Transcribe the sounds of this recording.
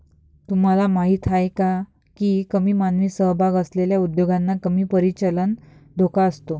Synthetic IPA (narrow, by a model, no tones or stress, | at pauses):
t̪um̤alamaɦiːt̪ɦajka | kiːkəmiːmanʋiːsəɦbʱaɡəsleljaud̪joɡanːakəmiːpəɾit͡ɕələnd̪ʱokaəst̪o